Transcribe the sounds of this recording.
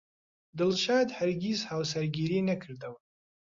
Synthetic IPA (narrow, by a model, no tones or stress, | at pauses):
d̪ɨlʃaːd̪hɐɾɡʲizhaːwsɐɾɡiːɾiːnɐkʰɨɾd̪ɐwɨ